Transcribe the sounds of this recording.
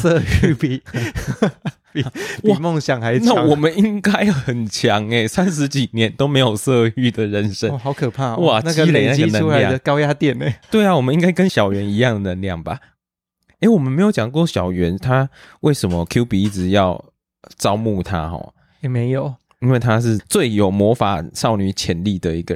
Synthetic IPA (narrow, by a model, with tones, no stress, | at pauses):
sə˥˧y˥˩pi˨˩ | pi˨wi˨mɔ˥˨ŋɕjɑ˨˩ŋxa˧˦ɪna˥˨wɔ˨˩mə˦ni˦ŋka˦˥ɪxə˨˩nt͡ɕʰjɑ˨˧˦ŋe˧ɪsa˦˥nʂɻ̩˧˦t͡ɕi˨˩njɛ˨˦nt̪o˥ʊme˧˥ɪjo˨˩ʊsɤ˥˧y˥˩d̪ə˨˩ɻə˧˦nʂə˦˨˩hɑ˧˥ʊkʰɤ˨˩pʰa˥˩wɔ˥˨˩na˨t͡ɕɡə˨i˦le˨˩na˥˨iɡə˦˨nʰ˧u˥la˧˦ɪ˥˩d̪ə˨kɑ˥ʊja˦˥t̪jɛ˥˨˩ne˨˩t̪we˥˩ɪa˨wɔ˨˩mə˦ni˦˥ŋɡa˥ɪkə˦nɕjɑ˨˩ʊɥɛ˨˦ni˧˥jɑ˥˨ŋə˨˩nə˨˧˥nljɑ̰˥˩ŋba̰˩ | e˧˥ɪwɔ˨˩mə˦nme˧˥ɪjo˧˥ʊt͡ɕjɑ˨˩ŋkwɔ˥˨ɕjɑ˨˩ʊɥɛ˧˦nt̪ʰa˥we˥˩ɪʂə˧˥nmə˦kʰju˥pi˨˦˥t͡sɻ̩˨˩jɑ˥˨˩ʊ | t͡sɑ˥ʊmu˥˨t̪ʰa̰˦xɔ̰˨˩˦ | jɛ˨˩me˧˦ɪjo˨˩˦ʊ | i˥nwe˥˩ɪt̪ʰa˥ʂ̬ɻ̩˥˩t͡swe˥˩ɪjo˨˩ʊmwɔ˧˦˥fa̰˨˩ʂɑ˥˧ʊny˥˩t͡ɕʰjɛ˧˦˥nli˥˩d̪ə˨i˧˦˥ɡə̰˨